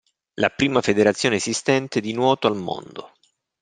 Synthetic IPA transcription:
la̰pɾiːmafed̪eɾat̪sːjoːneːsist̪ɛnt̪ed̪inwɔːt̪oalmo̰nd̪o

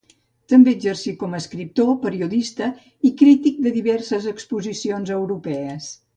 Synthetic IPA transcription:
t̪əmbeəd͡ʒərsikɔməːskɾip̚t̪opəɾiuðist̪ə | ikɾit̪ik̚d̪əðiβɛrsəzəkspuzisionzəwɾupɛəs

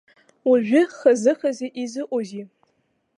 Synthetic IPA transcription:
uʒʷᶣʊχɐzɨχɐzeʔizɨʔʷʼozi

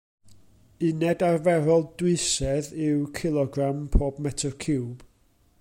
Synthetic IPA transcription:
ɨnɛdarvɛɾɔlˠdwɪsɛðɪwkʰɪlˠɔɡrampʰoːbmɛtʰɔkʰɪwb̥

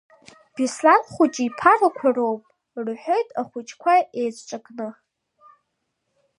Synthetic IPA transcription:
b̥islanχʷʊt͡ʃʼipʰarakʷʰaro̞wpʼ | rħʷo̞jtʼaχʷʊt͡ʃʼkʷʰaejt͡sʷʰʼʈ͡ʂʷʼakʼnɨ

